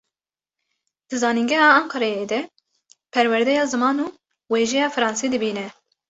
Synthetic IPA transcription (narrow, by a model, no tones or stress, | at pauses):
d̪̥ɨzɑːniŋɡɛhɑːɑːŋqɑɾɛjed̪ɛ | pʰɛɾwɛɾd̪ɛjɑːzɨmɑːnuː | weːʒɛjɑːfɨɾɑːnsiːd̪ɨbiːnɛ